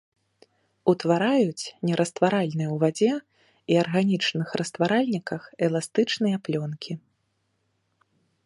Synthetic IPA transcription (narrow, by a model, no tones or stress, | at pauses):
ut̪vaɾajut͡sʲnʲɛɾʔɐst̪vaɾalʲnɨjɛwvad͡zʲɛ | iarɣanʲit͡ʂnɨxrɐst̪vaɾalʲnʲikɐxɛlˠast̪ɨt͡ʂnɨjɐplʲɔnkʲʰi